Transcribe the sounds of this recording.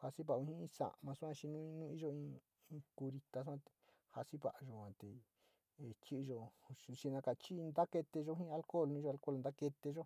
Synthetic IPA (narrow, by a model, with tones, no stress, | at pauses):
ha˧si˦βa˧˨ũ˧hĩ˦ĩ˧sã̰˨ʔmã˧su˦ã˦˧t͡ʃi˧nũ˦˧nũ˦i˧ʒo˧ĩ˧ | ĩ˧ku˧ɾi˧t̪a˧su˦ã˦˧t̪e̥˧ | ha˧si˦βa̰˨ʔʒo˧ã˨˧t̪e˨ | e˨t͡ʃi˦˧ʒo˧ʃi˧nã˧ka˨t͡ʃi˦˧nd̪a˦ke˧t̪e˧ʒo˧ɦĩ˦˧a˧lko˦˨lnũ˧ʒo˧a˧lko˦lnd̪a˦ke˧t̪e˧ʒo˦